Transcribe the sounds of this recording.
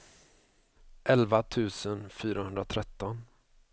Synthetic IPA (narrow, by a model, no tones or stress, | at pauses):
ʔɛlvat̪ʰʉ̟ːsənfyːɾahɵnd̪ɾat̪ʰɾɛt̪ːɔn